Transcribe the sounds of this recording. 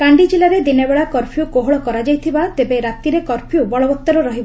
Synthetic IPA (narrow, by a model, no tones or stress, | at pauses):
kaɳɖid͡ʒilaɾed̪inebeɭakɔɾpʰjukoɦoɭɔkɔɾad͡ʒajt̪ʰibat̪ebeɾat̪iɾekɔɾpʰjubɔɭɔbɔt̪ːɔɾɔɾɔɦibɔ